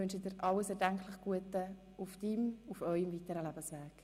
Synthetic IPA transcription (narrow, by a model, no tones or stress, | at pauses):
ʏnʃədɪɾʔɑləsɛdæŋkʰlɪχɡ̥uətə | ufd̥imufœʏəmvitəɾəlæbəsʋæːk